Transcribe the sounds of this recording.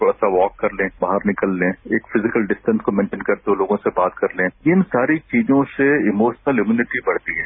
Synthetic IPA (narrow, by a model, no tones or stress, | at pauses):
oɽaːsaʋɔːkːɐɾlẽːbaːɦəɾnɪkəlːẽeːkfɪzɪkəlɖɪsʈə̃nskomɛ̃ːnʈə̃nkɐɾt̪eoloːɡõsebaːt̪kɐɾlẽːɪnsaːɾit͡ʃiːd͡ʒõseɪmoːʃnəlɪmjuːnɪʈibɐɽ̤t̪iɦɛː